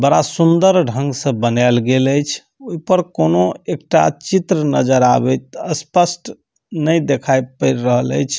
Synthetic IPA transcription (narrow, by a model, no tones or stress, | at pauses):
bəɽasund̪əɾɖʱə̃ŋɡsə̃bənalɡeləjt͡ʃʰ | oipəɾkonoekʈat͡ʃit̪ɾənəd͡ʒəɾa̰bɛt̪̚əspəsʈ | nəjd̪ekʰajpəɪɾːəɦələ̰jt͡ʃʰ